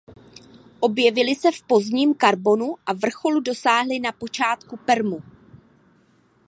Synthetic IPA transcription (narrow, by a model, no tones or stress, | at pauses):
ʔo̞bjɛvɪlɪsɛfpo̞zɲiːmkaɾbo̞nuʔavr̩xo̞ludo̞saːɦlɪnapo̞t͡ʃaːt̪kupɛɾmu